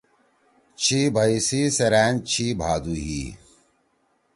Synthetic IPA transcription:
t͡ɕʰibʱɐisiːsɐɾaːnt͡ɕʰiːbʱaːd̪uːɦḭː

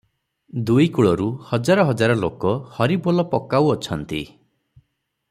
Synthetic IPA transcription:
d̪ujkuɭɔɾuhɔd͡ʒaɾɔɦɔd͡ʒaɾɔlokɔhɔɾibɔlɔpɔkawɔt͡ʃʰɔnt̪ḭ

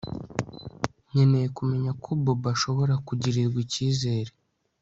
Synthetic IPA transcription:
ɲe̞nejekume̞ɲakʰubobaʃo̞βo̞ɾakuɟiɾiɾɡwiciːze̞ːɾe

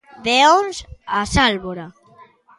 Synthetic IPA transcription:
ðeonsasalβoɾa

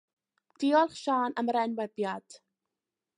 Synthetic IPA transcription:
d̥iːɔlˠχʃaːnəmɾɛnwɛbjad̥

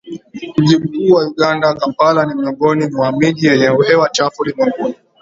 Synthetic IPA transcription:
m̩ʄiɓukuːwauɠandakampalanimiɔŋɡɔnimwamiʄijɛɲɛuhɛwat͡ʃafulimɛmɡuni

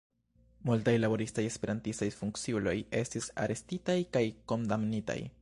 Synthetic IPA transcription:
multajlabo̞ɾistaje̞spe̞ɾʔantistajfuŋkt͡siulo̞je̞stisa̰ɾe̞stitajkajko̞ndamnita̰j

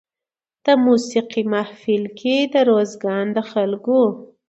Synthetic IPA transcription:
t̪əmusiqimahfilkʰid̪əɾozɡɑnd̪əxalɡo

